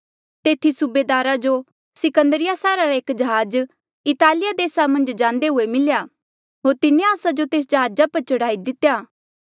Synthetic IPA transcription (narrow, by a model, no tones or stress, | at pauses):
t̪eːt̪ʰisubeːd̪aːɾad͡ʒo | sɪkə̃nd̪əɾɪjasaːɾaɾaeːkd͡ʒɐɦaːd͡ʒ | ɪt̪aːlɪjad̪eːsamɐ̃nd͡ʒd͡ʒãːnd̪eɦʊemɪljaː | ɦoːɾt̪ɪnẽaːsad͡ʒot̪eːs̬d͡ʒɐɦaːd͡ʒapɐɾt͡ʃɐɽaːid̪ɪt̪ːjaː